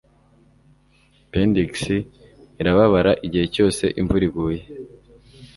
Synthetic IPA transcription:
pendiksiː | ɾaβaβaɾaʔiɟihe̞co̞ːse̞̰ʔiɱvuɾiɡuːje

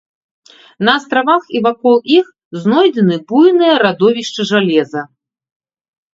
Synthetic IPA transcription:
nɐːst̪ɾavaxivakɔlˠix | znɔjd͡zʲɛnɨbujnɨjɐɾad̪ɔvʲiʂt͡ʂɨʐalʲɛzɐ

